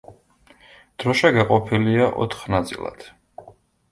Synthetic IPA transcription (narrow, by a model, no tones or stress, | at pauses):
d̪̥ɾɔʃaɡaqʼɔpʰiliaʔɔ̰t̪ʰχnat̪sʼḭlˠa̰d̪̥